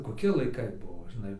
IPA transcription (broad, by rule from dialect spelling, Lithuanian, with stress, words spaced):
koːˈkʲɪ lˠɐɪˈkɐɪ ˈbuɔ ʒʲɪˈnɐɪ